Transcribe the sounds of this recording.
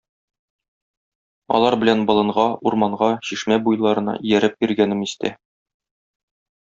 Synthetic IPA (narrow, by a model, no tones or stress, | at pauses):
ɒ̰lˠɑɾbɘ̆lænbɤ̆lˠɤ̆ɴʁɑuɾmɑɴʁɑɕiʃmæbujlˠɑɾɤ̆nɑ̰ʔijæɾɘp̚iɾɡænɘmist̪æ̰